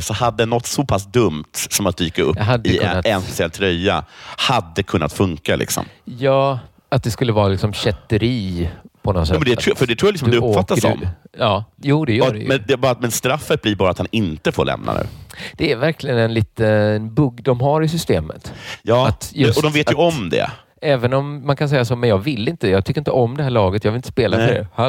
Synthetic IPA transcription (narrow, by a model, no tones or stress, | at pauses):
sɔhad̪ːəɛnːɔt̪ːsɔpʰas̬d̪ɵmt̪sɔmat̪̚d̪yɪkːaɾɵ̰ɦad̪ːɵaɛnspɛsɪɛlt̪ʰɾœjːa̰had̪ːəkʰɵnːat̪fɵŋkalɪ̰ksɔ̰mjɑː | at̪̚d̪ɛskɵlːəvɑːɾalɪksɔmɕɛt̪ːəɾiːpʰɔnɔsɛmɛnd̪ɛt̪ːʰɾfœɖɛt̪ʰɾuːjlɪsɔmad̪ɛɵpfat̪ːaɔ̰mɑːjuːd̪ɛjœɖɛ̰jɛnd̪ɛbɑːɾat̪mɛnst̪ɾafːət̪̚bliɾbɑːɾat̪hanɪnt̪əfoːɭlɛ̰mnʔa̰nʉ̟̰ːd̪̥ɛæɾvæɾkʰlɪɡənɛnliːt̪ənbɵɡd̪ɔmɦaɾɪs̬ʏst̪ḛːmə̰t̪jɑːat̪jɵsɔd̪ɔmveːt̪jɵɔmd̪ɛ̰ | ɛːvənɔmːankʰans̬ɛjːasoːmɛnjɑːɡvɪlːɪnt̪əjɑːɡ̚t̪ʏkːɾɪnt̪əɔmd̪ɛhæːɭɑːɡət̪jɑːvɪlɪnt̪ə̥speːlaɾɛ̰ha